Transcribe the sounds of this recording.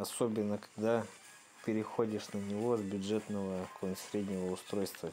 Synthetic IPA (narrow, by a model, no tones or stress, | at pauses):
ɐsobʲɪnːəkɐ̥ɡd̪a | pʲɪɾʲɪxo̞dʲɪʂnənʲɪvo̞zbʲʊdʐɛt̪nəvəkonʲsʲɾʲed̪ʲnʲɪvəʊst̪ɾo̞jst̪və